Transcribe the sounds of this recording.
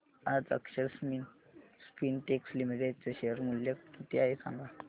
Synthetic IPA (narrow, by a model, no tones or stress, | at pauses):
ad͡zə̰kɕəɾsmin | spinʈekslimiʈ̬eɖ̚t͡saɕeəɾmuljakit̪iaɦesã̰ŋɡa